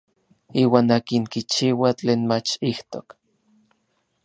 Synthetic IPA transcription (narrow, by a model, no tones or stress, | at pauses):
iːwaːnaːkiŋkit͡ʃiːwat͡ɬeːnmat͡ʃiht̪ok